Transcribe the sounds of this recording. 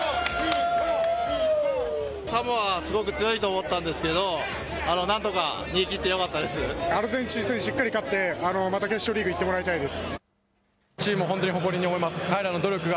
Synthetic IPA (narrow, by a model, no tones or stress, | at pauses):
kamoβasɨɡo̞kɯ̟t͡sɨjo̞it̪o̞ːmo̞t̪ːãnd̪e̞sɨ̥ke̞d̪o̞ | ano̞nãnt̪o̞kaɲʲĩːkʲit̪ːe̞jo̞kat̪ːad̪e̞sɨaɾɯ̟zẽ̞ɲ̟t͡ɕiːsẽɲiɕikːaɾʲikat̪ːe̞ano̞mat̪akʲesoɾʲiːɡɯ̟it̪ːe̞mo̞ɾait̪aid̪e̞sɨ̥ | t͡ɕiːmɯoɦõt̪oɲiɦo̞ko̞ɾʲiɲ̟ːiomoimasɨ̥kaiɾano̞d̪o̞ɾʲokɯɡa